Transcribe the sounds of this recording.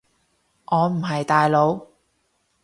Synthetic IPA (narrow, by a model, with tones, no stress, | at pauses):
ʔɔː˨˧m̩˨˩ɦɐ˨jt̪aː˨jlo˨˧w